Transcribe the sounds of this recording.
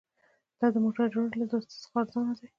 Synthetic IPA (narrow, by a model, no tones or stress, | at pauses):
d̪̥ɑd̪əmoʈaɾd͡ʒoɳɽlad̪ost̪ḁsxɑɾzɑnad̪aj